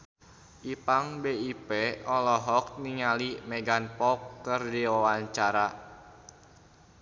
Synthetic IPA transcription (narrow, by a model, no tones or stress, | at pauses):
ʔipaŋbeipeɔlɔɦɔk̚niŋalimɛɡanpɔkːərdiwawaɲt͡ʃaɾa